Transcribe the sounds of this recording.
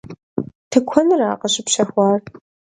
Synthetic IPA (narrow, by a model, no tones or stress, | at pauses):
tʰɨkʷʰɔnɨra̰ːqɐɕɪpɕɐxʷɑːr